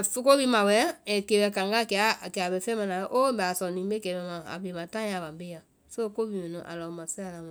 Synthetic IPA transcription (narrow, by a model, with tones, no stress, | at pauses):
fo˦ko˦bi˧˦mã˨wɛ˦ɛ˨ke˨bɛ˨kã˨ŋɡa˦˨kɛ˨a˨˦a˨kɛ˨a˨be˧˦fɛ̃˦mã˧nã˨˦ʔo˦bɛ˨a˨sɔ˨nĩː˨˦be˦kɛ˨βɛ˧mã˨a̰˨be˨mã˨tã˦ã˨βã˨be˦jã˨ | so˦ko˦bi˧˦õ˨nũ˨ʔa̰˨lɔ˨˦mã˨si˦a˨la˨˦mã˦˨